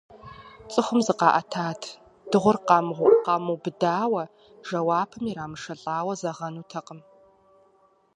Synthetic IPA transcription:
t͡sʼɨχʷʊmzɨqɑːʔɐtʰaːtʰ | d̥ɨʁʷʊrqɑmʁʷʊqɑmubɨdaːwɐ | ʒ̥ɐwaːpʰɨmiɾaːmɨʂɐɬʼaːwɐzɐʁɐnuːtʰɐqəm

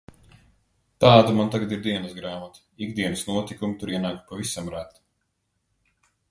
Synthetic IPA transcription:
t̪aːd̪umant̪aɡad̪iɾd̪iɛnəsɡɾaːmat̪ | iɡd̪iɛnəsnuɔt̪ikumit̪uɾiɛnaːkpavisamɾat̪

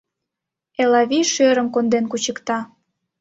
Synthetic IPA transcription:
elɑβiʃøɾə̆mkond̪enkut͡ɕəkt̪ɑ

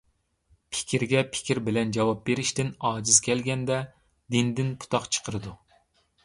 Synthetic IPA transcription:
pʰɪ̥kʲʰiɾɡʲɛpʰɪ̥kʲiɾbɪlɛnd͡ʒɑwɑp̚beɾɪʃt̪ɪnɑːd͡ʒizkʲʰɛlɡʲɛnd̪ɛ | d̪ind̪ɪnpʰu̥t̪ʰɑqt͡ʃʰə̥qʰəɾɨd̪u

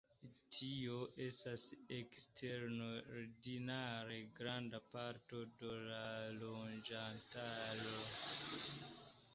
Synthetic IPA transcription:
tʰioʔestasekstʰeɾnoɾdinaɾe̞ɡɾandapaɾto̞dolalond͡ʒantalo

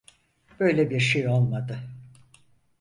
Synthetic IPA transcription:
b̥ø̞jlʲɛbiɾʃejo̞lˠmad̪ɯ

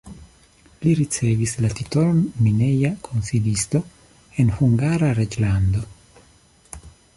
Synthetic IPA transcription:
liɾit͡se̞vislatito̞lonmine̞jakʰonsilisto̞ | e̞nhuŋɡaɾaɾed͡ʒland̪o̞

